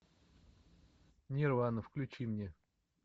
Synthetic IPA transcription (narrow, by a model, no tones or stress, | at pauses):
nʲɪrvanəfklʲʉt͡ɕimnʲe